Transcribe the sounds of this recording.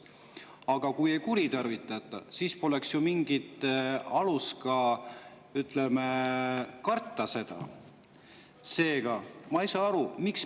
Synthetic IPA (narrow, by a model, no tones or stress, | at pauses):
ɑɡ̥ɑkuje̞jkuɾit̪ɑrvit̪ːˑɑt̪ːˑɑ̰siːspo̞le̞ksjumiŋɡ̥it̪ˑɑluskɑ | yt̪ˑleme | kɑrt̪ːɑse̞d̪̥ɑ̰ | se̞ːɡ̥ɑmɑejsɑːɑɾumiks